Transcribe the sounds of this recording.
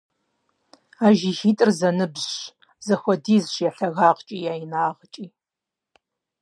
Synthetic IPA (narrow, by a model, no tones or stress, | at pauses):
aːʒixiːtʼɨrzɐnɨbʑ | zɐxʷɔdiːzʃjɛɬɐɣaːqt͡ʃʼiːjaːjinaːʁət͡ʃʼiː